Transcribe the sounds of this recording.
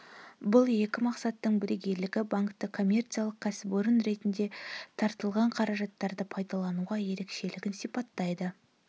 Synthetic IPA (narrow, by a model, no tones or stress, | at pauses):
bʊlˠje̞kʲɪmɑqsɑt̪ːəɴbɪɾeɡʲe̞ɾlɪɡʲɪbaŋkt̪əkʰo̞mʲːe̞rt̪sijalˠəq̚kʰasɪboɾʊnɾe̞t̪ɪnd̪e̞t̪ʰɑɾt̪əlˠʁɑɴqʰɑɾɑʒɑt̪ːɑɾd̪əpʰɑjd̪ɑlˠɑnuʁɑje̞ɾe̞kʃe̞lɪɡʲɪnsipɑt̪ːɑjd̪ə